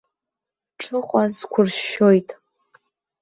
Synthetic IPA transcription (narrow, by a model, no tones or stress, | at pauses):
ʈ͡ʂʰɨχʷʼazkʷʰʊrʃo̞jtʼ